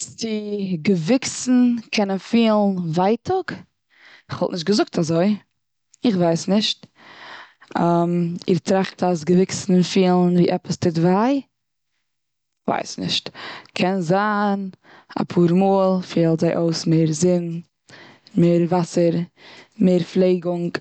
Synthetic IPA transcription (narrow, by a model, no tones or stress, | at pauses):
t͡sɪɡəvɪksn̩kʰɛnənfiːlˠn̩vaɪtʰʊk | ɪχvɔlˠtnɪʃ̬t̚ɡəzʊk̚tʰazoɪ | ɪχvaɪsnɪʃt | amɪɾtɾaχtasɡəvɪksn̩fiːlˠn̩viːʔɛpəstɪdvaɪ | va̰ɪsnɪ̰ʃtkʰɛnzaːn | a̰pʰuːɾmuːlˠfiːlˠzaɪʔoʊsmeːɾzɪn | meːɾvasəɾmeːɾflˠeɪɡʊŋk